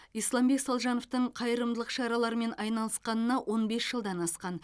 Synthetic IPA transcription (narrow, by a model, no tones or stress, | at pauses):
ijslˠɑmbe̞ksɑlˠʒɑno̞ft̪əɴqʰɑjəɾəmd̪əlˠəqʃɑɾɑlˠɑɾəme̞nɑjnɑlˠəsqɑnənɑwʔo̞nbe̞sʒ̥əlˠd̪ɑnɑsqɑn